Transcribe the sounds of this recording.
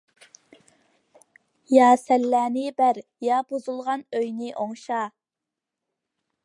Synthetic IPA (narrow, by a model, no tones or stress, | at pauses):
jɑːsɛlːæːnɪbæɾ | jɑbozulˠʁɑnøjnɪʔoŋʃɑ